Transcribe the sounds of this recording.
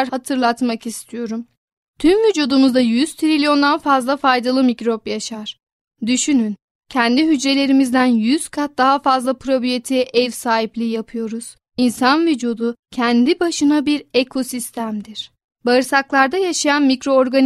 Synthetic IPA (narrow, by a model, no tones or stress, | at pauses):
ɾhat̪ʰɯɾlˠat̪makist̪ʰijo̞ɾum | t̪ʰymvyd͡ʒuːd̪umuzd̪ajyz̥t̪ʰɾilʲijo̞nd̪anfazlˠafajd̪alˠɯmicɾopjaʃaɾ̥ | d̪yʃynyn | cʰɛnd̪iɦyd͡ʒɾe̞lʲe̞ɾimizd̪ænjyz̥kʰat̪̚d̪aɦafazlˠapʰɾo̞byjet̪ʰiʔɛvsaːɦiplʲijapʰɯjo̞ɾuz̥ | insanvyd͡ʒuːd̪ucʰɛnd̪ibaʃɯnabiɾekʰo̞sist̪ʰæmd̪iɾ̥ | baɯɾsaklˠaɾd̪ajaʃajanmicɾo̞oɾɡan